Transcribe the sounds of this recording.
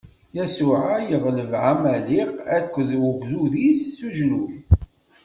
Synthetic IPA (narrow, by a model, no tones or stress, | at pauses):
jæsuʕajəʁləvʕamæliqækʷːəðwəɡʷðuðisːuʒlul